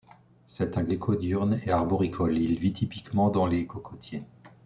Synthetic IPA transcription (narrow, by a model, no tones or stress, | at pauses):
sɛt̪ɛ̃ɡlikʰɔd̪yʁneaʁbɔʁikʰɔlilvit̪ʰipikmɑ̃d̪ɑ̃lekɔkʰɔt̪ʰje